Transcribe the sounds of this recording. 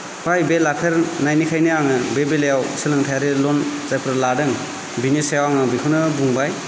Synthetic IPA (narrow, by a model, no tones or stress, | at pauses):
hajbelapʰeɾnajnikʰajniaŋɯbebelejawsɯlɯŋtʰajaɾelɔnzajpʰɾladɯŋ | binisejawaŋɯbikʰɯnɯbuŋbaj